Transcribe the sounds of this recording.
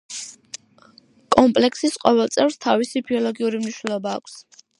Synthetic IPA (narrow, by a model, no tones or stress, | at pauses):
kʼɔmpʼlɛksisqʼɔvɛlˠt̪sʼɛvɾst̪ʰavisibiɔlˠɔɡiuɾimniʃnɛlˠɔba̰ːkʰs